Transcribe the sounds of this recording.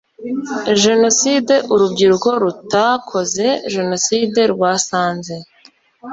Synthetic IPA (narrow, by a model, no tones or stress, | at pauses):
ʒe̞no̞side̞ʔuɾubɟiɾuko̞ɾutakʰo̞ze̞ʒe̞no̞side̞ɾɡwaːsaːnze̞